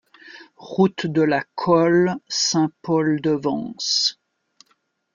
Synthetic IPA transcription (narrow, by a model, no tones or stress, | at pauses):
ʁut̪d̪əlakʰɔlsɛ̃pɔld̪əvɑ̰̃s